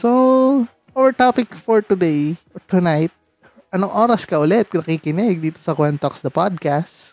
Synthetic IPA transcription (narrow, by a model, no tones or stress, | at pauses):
so | ʔowɛɹt̪apɪkfɔɹt̪ʊd̪ejʔɔɹt̪ʊnajt̪̚ | ʔɐnʊŋʔoːɾɐskɐʔʊlɛt̪̚knɐkiːkɪnɛɡ̚d̪iːt̪osɐkwɛnt̪oksd̪ɐpad̪̚kast